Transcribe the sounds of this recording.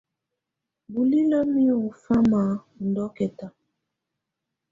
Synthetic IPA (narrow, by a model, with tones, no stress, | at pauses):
bu˨li˦la˦mi˦ɔ˨fa˦ma˨ | n˨dɔ˦kɛ˨ta˨